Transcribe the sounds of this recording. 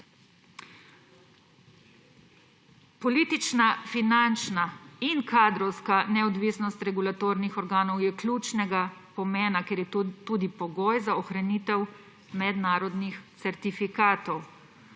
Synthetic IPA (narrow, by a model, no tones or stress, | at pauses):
pɔliːt̪it͡ʃnafinant͡ʃnainkaːd̪ɾɔwskanɛɔd̪ʋiːsnɔst̪ɾɛɡulat̪oːɾnixɔɾɡaːnɔwjɛklʲuːt͡ʃnɛɡapɔmɛːnakɛɾjɛt̪uːd̪ipɔɡɔːjzaɔxɾaniːt̪ɛw | mɛd̪naːɾɔd̪nixt̪sɛɾt̪ifikaːt̪ɔw